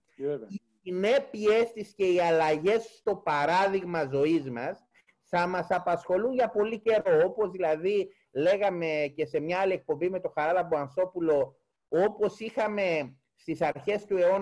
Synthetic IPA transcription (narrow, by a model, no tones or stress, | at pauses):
isine̞pie̞st̪isce̞iɐlɐʝe̞sst̪o̞pɐɾɐðiɣmɐzo̞izmɐs | θɐmɐsɐpɐsxo̞lunʝɐpo̞lice̞ɾo̞opo̞zðilɐði | le̞ɣɐme̞ce̞se̞mɲɐɐlie̞k̚po̞mbime̞t̪o̞xɐɾɐlɐboɐnθo̞pulo̞ | o̞po̞sixɐme̞ | st̪isɐɾçe̞st̪ue̞o̞n